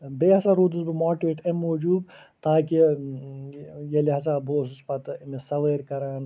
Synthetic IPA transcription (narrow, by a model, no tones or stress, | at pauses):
beːɦɐsaɾuːd̪usbimaːʈiʋeːʈemːoːd͡ʒuːb | t̪aːki | jeliɦɐs̬aboːsuspɐt̪mesɐʋeːɾkɐɾaːn